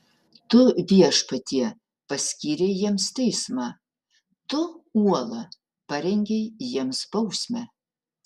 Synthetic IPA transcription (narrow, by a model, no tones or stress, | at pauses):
t̪ʊʋʲiɛʃpɐt̪ʲiɛ | pɐsʲkʲiːɾʲɛɪjiɛmst̪ʲɛɪsmɑː | t̪ʊuɔlˠɐ | pɐɾʲɛŋʲɡʲɛɪjiɛmsbɐʊsʲmʲɛ